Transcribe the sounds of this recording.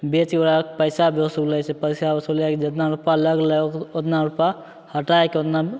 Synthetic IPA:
bet͡ʃkeoɾapəɪsabosubləjt͡ʃɛpəjsabesubleked͡ʒət̪naɾupaləɡləoot̪naɾupa | həʈaekeot̪na

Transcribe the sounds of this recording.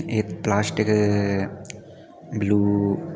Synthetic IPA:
et̪plaːsʈikːɨ | bluː

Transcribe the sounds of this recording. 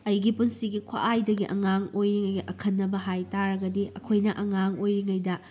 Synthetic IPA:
ɐjɡipunsiɡikʰwa̰ʔajdɐɡiʔɐ̰ŋaŋojɾiŋɐjɡiʔɐkʰɐnːɐbɐɦajtaɾɐɡɐdiɐkʰojnɐʔɐŋaŋojɾiŋɐjdɐ

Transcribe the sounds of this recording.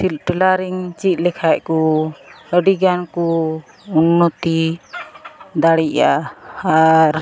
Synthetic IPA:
ʈɛlaɾiŋt͡ʃit̪̚ˀlɛkʰajʔkɔ | əɖiɡankɔ | unːɔt̪i | d̪aɽiʔaaɾ

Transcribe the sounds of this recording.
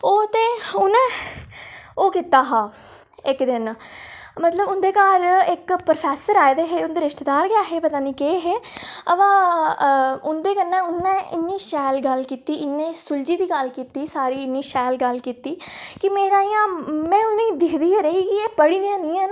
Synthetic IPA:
oːt̪eːʊnɛ̃ː | oːkɪt̪aːɦãː | ɪkd̪ɪn | mət̪ləbʊnd̪eːkaːɾɪkpɾopʰɛːsəɾaːed̪eːɦeːʊnd̪eːɾɪʃʈːd̪aːɾɡɪaːɦeːpət̪aːnĩːkeːɦeːəʋãː | ʊnd̪eːkənːɛ̃ːʊnːɛ̃ːɪnːĩːʃɛːlɡəlkiːt̪iːɪnːẽːsʊld͡ʒiːd̪iːɡəlkiːt̪iːsaːɾiːɪnːiːʃɛːlɡəlkiːt̪iːkɪmeːɾãːijãːmɛ̃ːʊnĩːd̪ɪkʰd̪iːeːɾəiːkɪeːpəɽiːd̪ijãːniːãːn

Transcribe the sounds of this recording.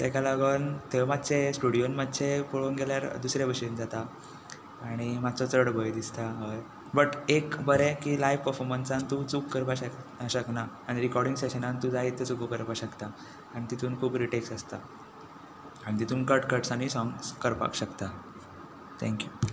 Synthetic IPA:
t̪ɛkalaɡənt̪emad̪t͡sesʈuɽijonmat̪ːt͡ɕʰepoɭonɡeljaɾd̪usɾjabəɕend͡zat̪aː | ɽ̃imad̪t͡sɔt͡səɽbʱəjd̪ist̪aɦoj | bəʈekbəɾekiːlajʋpəɾfɔɾmənsãnt̪ut͡suːkːəɾpaɕəkaɕəknaːɽ̃iɾikɔɾɽiŋɡseɕənant̪ud͡zaɦit̪ːet͡sukukəɾpaɕəkt̪aː | ɽ̃it̪it̪ʰuːnkʰuːpɾiʈeksəst̪a | aɽ̃it̪it̪ʰuːnkəʈkəʈsaɽ̃isɔŋɡskəɾpa̰kɕəkt̪a | t̪ʰɛ̃ŋkju

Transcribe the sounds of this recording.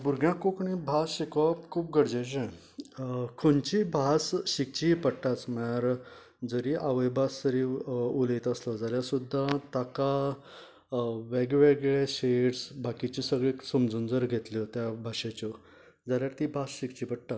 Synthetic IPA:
buɾɡjãkokɳĩbʱasɕikʋapkʰuːp̚ɡəɽd͡ʑed͡ʑẽ | kʰont͡ɕibʱasɕik̚t͡ɕipəɽʈ̪at͡smaɾ | d͡zəɾiʔaʋəjbʱasəɾiulet̪əslɔd͡zəɾjasud̪ʱːat̪aka | ʋeɡʋeɡɭeɕeɽsbakit͡ɕisəɡɭesəmd͡zuːnd͡zəɾɡʱet̪lit̪jabʱaɕet͡ɕɔ | d͡zəɾjaɾt̪ibʱasɕikt͡ɕiːpəɽt̪at̪

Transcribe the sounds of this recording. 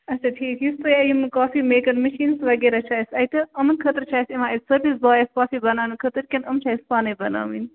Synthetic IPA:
ɐsɐt̪ʰiːkjist̪ujaːjimɨkaːfimeːkɐnmɐʃiːnsʋɐɡeːɾat͡ʃʰaːjsɐjʈ̪ɐɐmɐnkʰɐt̪əɾt͡ʃʰaːjsimaːisɐɾbisbaːjɐskaːfibɐnaːnɨkʰət̪əɾkʲɐnɐmt͡ʃʰaːjspaːnɐbɐna̰ːmḭn

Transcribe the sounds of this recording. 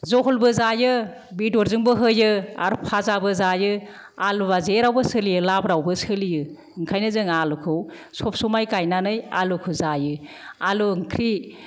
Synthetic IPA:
zɔɦɔlbɯzajɯ | bidɔɾzɯŋbɯɦɯjɯa̰ɾpʰazabɯzajɯ | alɯbazeɾawbɯsɯlijɯlabɾawbɯsɯlijɯ | ŋkʰajnɯzɯŋalukʰɯw | sɔp̚sɔmajkajnanɯja̰lukʰɯwzajɯ | aluŋkʰɾi

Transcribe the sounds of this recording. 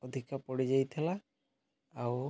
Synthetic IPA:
ɔd̪ʱikapɔɽid͡ʒajt̪ʰilaː | w

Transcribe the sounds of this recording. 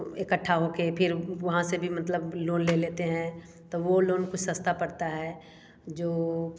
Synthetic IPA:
ekəʈʰːaɦokepʰɪɾʋɐɦãsebʱimɐt̪ləbloːnleːleːt̪eɦɛ̃ | t̪oʋoloːnkʊt͡ʃʰsɐst̪apɐɽt̪aɦɛː | d͡ʒoː

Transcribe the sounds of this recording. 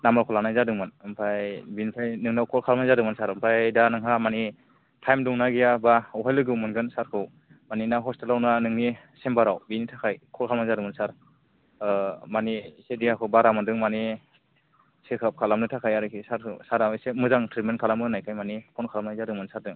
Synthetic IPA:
namakʰɔlanajzadɯŋmɯnɯmpʰajbinpʰajnɯŋnawkʰɔlkʰalmazadɯŋmɯnsaɾɯmpʰɾajdanɯŋɦamani | tʰajmdɔŋnaɡijabaɔɦajlɯɡɯwmɯnɡɯnsaɾkʰɯw | maninaɦɔstelawnanɯŋni | sembaɾawbinitʰakʰajkʰɔlkʰalmazadɯŋmɯnsaɾ | manisedijakʰɯwbaɾamɯndɯŋmani | sekʰɯp̚kʰalamnɯtʰakʰajaɾɯkʰisaɾʰɯsaɾawisemɯzaŋtʰɾitmenkʰalamɯnajkʰajmanikʰɔnkʰalamnajzadɯŋmɯnsaɾdɯŋ

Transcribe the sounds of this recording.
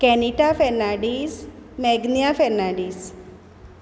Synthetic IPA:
kɛniʈafɛnaɽismɛɡnjafɛnaɽiːs

